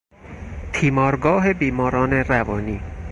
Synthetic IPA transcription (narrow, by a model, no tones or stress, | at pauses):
t̪ʰiːmɒːɾɡɒːɦe̞biːmɒːɾɒːne̞rævɒːniː